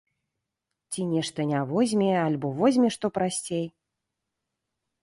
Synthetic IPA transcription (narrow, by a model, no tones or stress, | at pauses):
t͡sʲinʲɛʂt̪ɐnʲavɔzʲmʲɛɛalʲbɔvɔzʲmʲɛʂt̪ɔpɾasʲt͡sʲej